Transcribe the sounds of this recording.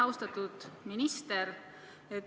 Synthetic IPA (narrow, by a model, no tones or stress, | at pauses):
ɑwst̪ɑt̪ːud̪̥minist̪eɾ | et̪ː